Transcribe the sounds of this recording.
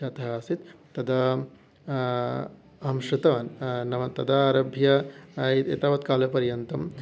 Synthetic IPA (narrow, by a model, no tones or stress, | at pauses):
at̪ɐɦaːsit̪t̪ːɐd̪ɐ | ɦɐmʃɾɪt̪ɐʋɐnnɐmɐt̪ɐd̪aːɾɐbʱjɐit̪ḛt̪ɐːʋɐt̪kaːlɐpɐɾjɐnt̪ɐm